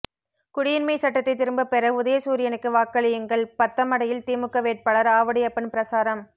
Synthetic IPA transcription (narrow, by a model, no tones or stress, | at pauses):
kʊɽɪjɪnmɐɪsɐʈːɐt̪ːɐɪt̪ːɪɾɯmbɐpɛɾɐʊðɐjɐsuːɾɪjɐnɯkːɯʋaːkːɐɭɪjɯŋɡɐɭpɐt̪ːɐmɐɽɐjɪlt̪iːmɯkːɐʋeːʈ̚pɐɭɐɾaːʋɐɽɪjɐpːɐnpɪɾɐsaːɾɐm